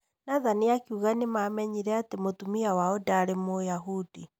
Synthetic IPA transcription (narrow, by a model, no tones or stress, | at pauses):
naðanijakiuɣanimamɛɲiɾɛatemotumiawaɔdaɾemojaɦud̥i